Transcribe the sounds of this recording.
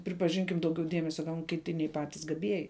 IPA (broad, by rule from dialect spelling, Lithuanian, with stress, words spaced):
pʲrʲɪpɐˈʒʲɪŋʲkʲɪm ˈdɐʊˌɡʲɛʊ ˈdʲiɛmʲɛsʲɛ ɡɐʊn kʲɪˈtʲɪ nʲɛɪ ˈpɑːtʲɪs ɡɐˈbʲiɛjɪ